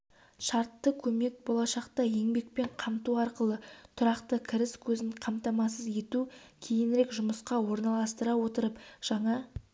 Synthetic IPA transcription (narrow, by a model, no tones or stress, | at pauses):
ʃɑɾt̪ːəkʲʰɵme̞k̚bo̞lˠɑʃɑqt̪ɑje̞ŋbe̞k̚pe̞ɴqʰɑmt̪uɑɾqəlˠət̪ʰʊɾɑqt̪əkʲʰɪɾɪskʲʰɵzɪɴqʰɑmt̪ɑmɑs̬əzje̞t̪ukʲʰe̞jɪnɾe̞kʒʊməsqɑwo̞ɾnɑlˠɑst̪əɾɑwo̞t̪əɾəpʒ̥ɑɴɑ